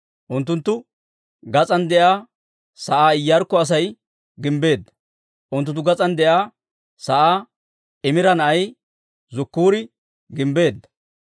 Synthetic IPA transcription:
ʔʊnt̪ːʊnt̪ːʊ | ɡɐt͡sʼɐnd̪ɛʔaː | sɐʔaːɪjːɐɾkːɔɐs̬ɐj | ɡɪmbe̞ːd̪ːɐ̥ | ʔʊnt̪̬ːʊnt̪̬ːʊɡɐt͡sʼɐnd̪ɛʔaː | sɐʔaː | ɪmɪɾɐnɐɐj | zʊkːuːɾɪ | ɡɪmbe̞ːd̪ːɐ̥

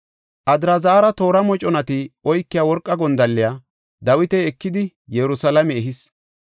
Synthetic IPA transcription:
ʔɐd̪ɾɐzaːɾɐt̪o̞ːɾɐmɔt͡ʃʼɔnɐt̪ɪɔjkːɪjawɔɾkʼːɐɡɔnd̪ɐlːɪjaː | d̪ɐwɪt̪ɛɛkːɪd̪ɪ | jɛɾʊsɐlɐmɛɛɦɪs

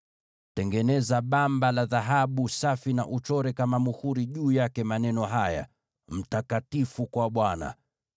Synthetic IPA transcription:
tɛŋɡɛnɛzaɓambalaðaɦaɓusafina̰ʔut͡ʃɔɾɛkamamuhuɾiʄuːjakɛmanɛnɔɦaja̰ | m̩takatifukwaɓwana̰

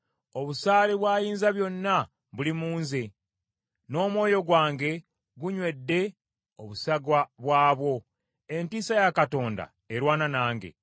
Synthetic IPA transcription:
o̞βusaːleβwaːjiːnzaβjo̞nːa | βulimuːnze̞ | no̞ːmwo̞ːjo̞ɡwaːŋɡe̞ | ɡuɲwe̞dːe̞ | o̞βusaɡwaβwaːβwo̞ | e̞ntiːsajakato̞ːnda̰ | eɾwaːnanaːŋɡe̞̰

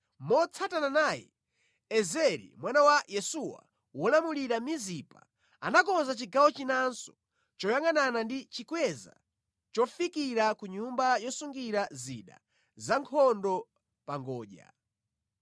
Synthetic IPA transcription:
mɔt͡sʰatananaːjɛ̰ | ɛzɛɾḭmwanawajɛsuwa̰ | wɔlamuliɾamizipa | a̰nakɔnzat͡ʃiɡawɔt͡ʃinansɔ̥ | t͡ʃɔjaŋananandit͡ʃikwɛza̰ | t͡ʃɔfikiɾakuɲumbajɔsuŋɡiɾazḭːɗa̰ | zaŋkʰɔndɔ | paŋɡɔːʄa̰

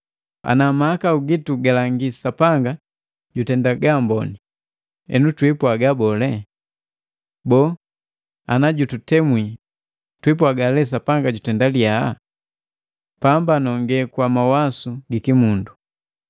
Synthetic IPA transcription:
a̰namahakauɡituɡalaŋɡisapaŋɡa | ɟutɛndaɡambɔ̰ni | ɛ̰nutwipuaɡabɔlɛ | bɔ | a̰naɟututɛmwi | twipuaɡalɛs̬apaŋɡaɟutɛndaliaa | pambanɔŋɡɛkwamawasuɡikimundu

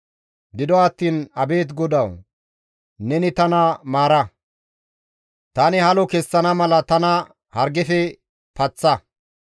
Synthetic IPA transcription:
d̪ɪd̪ɔɐt̪ːiːnɐbe̞ːt̪̬ɡɔd̪ɐw | nɛnɪt̪ɐnɐmaːɾɐ | t̪ɐnɪhɐlɔkɛsːɐnɐmɐlɐt̪ɐnɐ | hɐɾɡɛfɛ | pɐt͡sːɐ

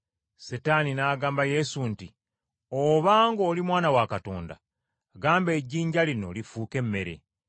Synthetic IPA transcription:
setaninaːɡaːmbaje̞sunti | oβaːŋɡo̞ːlimwaːnawakato̞ːnda̰ | ɡaːmbe̞ːɟːiːɲɟalino̞̰lifuːke̞mːe̞ɾe̞̰

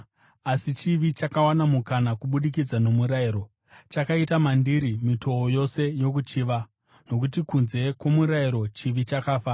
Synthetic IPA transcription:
asit͡ʃiʋit͡ʃakawanamukanakuɓuɗik̬id͡zano̞muɾaiːɾo̞ | t͡ʃakaitamandiɾimitʰo̞ojo̞se̞jo̞k̬ut͡ʃiʋa | no̞kutikunze̞kwo̞muɾaiɾo̞t͡ʃiʋit͡ʃakaːfa

